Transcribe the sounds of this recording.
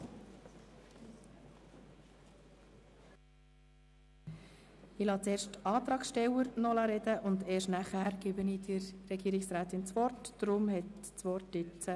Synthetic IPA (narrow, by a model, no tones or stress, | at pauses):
ilɑːt͡seːɾʃtɑːt̪ɾɑːksʃtɛwəɾnɔlɑɾɛdəʔʊnd̪eːʃtnæχhæɾɡ̥ibəniːdɪɾːɛɡiːɾɪksɾæːt̪ɪnt͡sʋɔrtd̥ɾʊmhɛt | t͡sʋɔrtːɪt͡sə